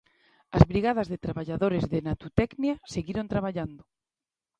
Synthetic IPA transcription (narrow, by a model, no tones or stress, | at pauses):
azβɾiɣað̞azðet̪ɾaβaʎaðoɾezðenat̪ut̪ɛknjaseɣiɾont̪ɾaβ̞aʎand̪o